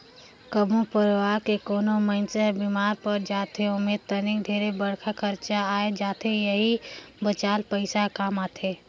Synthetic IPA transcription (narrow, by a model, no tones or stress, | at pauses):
kəbʱũpəɾʋaːɾkekoːnoməɪnsəɦbimaːɾpəɾd͡ʒaːt̪ʰeʊmeːd̪̚t̪ənɪkd̪ʱeːɾebəɽkʰakəɾt͡ʃaaːed͡ʒaːt̪ʰejəɦi | bət͡ʃaːlpəɪsakaːmaːt̪ʰeː